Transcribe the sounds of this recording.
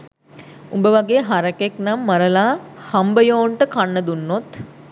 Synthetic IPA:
umbəʋaɡeːɦaɾəkeknamːɐɾəlaːhambəjoːɳʈəkanːəd̪unːot̪

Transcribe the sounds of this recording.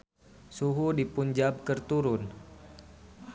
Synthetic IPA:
suɦudipuɲd͡ʒab̚kərt̪uɾʊn

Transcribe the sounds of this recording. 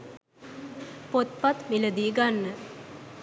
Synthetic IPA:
pot̪̚pat̪miləd̪iːɡanːə

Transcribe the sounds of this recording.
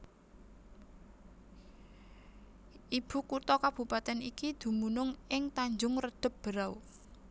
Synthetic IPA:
ʔib̥ṳkut̪ɔkab̥ṳpat̪ɛnikid̪̥ṳmunʊŋɪŋt̪aɲd͡ʒʊŋrəd̪̥ə̤p̚b̥əɾaw

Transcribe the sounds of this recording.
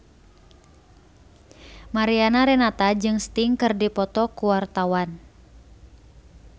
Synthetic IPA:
maɾianaɾɛnat̪ad͡ʒɨŋst̪iŋkɨrdipɔt̪ɔkuwart̪awan

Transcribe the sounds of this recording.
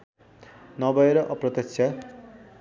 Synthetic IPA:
nʌbʌeɾʌʔʌprʌt̪ʌkt͡sʰja

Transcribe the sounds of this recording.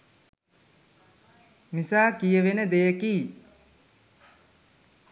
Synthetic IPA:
misaːkijəʋenəd̪ejəkiː

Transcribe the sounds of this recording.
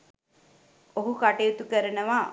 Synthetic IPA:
oɦukaʈejut̪ukəɾənəʋa

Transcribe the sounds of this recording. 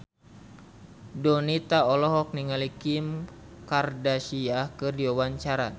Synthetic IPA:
dɔnit̪aɔlɔɦɔk̚niŋalikim | kardaʃiahkɨrdiawaɲt͡ʃaɾa̰

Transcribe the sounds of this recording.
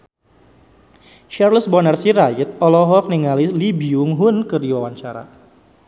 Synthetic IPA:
ʃarləsbɔnərsiɾait̪̚ɔlɔɦɔk̚niŋalilibiʊŋɦʊnkəriwawaɲt͡ʃa̰ɾa̰

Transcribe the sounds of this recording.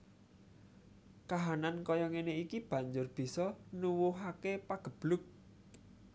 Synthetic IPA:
kaɦanankɔjɔŋeneikib̥ä̤ɲd͡ʒʊrb̥i̤sɔnuwuɦakepaɡ̥ə̤b̥lʊk̚

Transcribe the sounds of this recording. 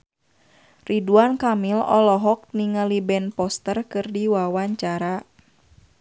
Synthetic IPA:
rʔiduankamilɔ̰lɔɦɔk̚niŋalibɛnpɔst̪ərkɨrdiwawaɲt͡ʃaɾa

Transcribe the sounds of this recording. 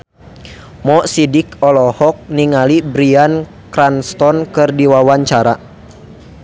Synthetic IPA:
mɔʔsidikɔlɔhɔk̚niŋalibɾian | kɾanst̪ɔnkɨrdiwawaɲt͡ʃaɾa

